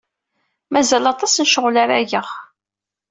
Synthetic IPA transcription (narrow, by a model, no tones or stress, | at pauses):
mæzælɑt̪ˤɑsnʃəʁlaɾaʝəʁ